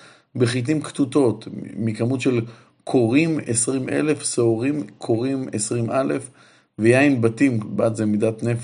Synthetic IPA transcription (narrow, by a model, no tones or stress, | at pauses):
beχit̬imkt̪uto̞t̪mikamut̪ʃel | kʰoʁimesʁimʔḛle̞fseoʁimkʰoʁimesʁimʔalef | vejainbatimbat̪zemidat̪nef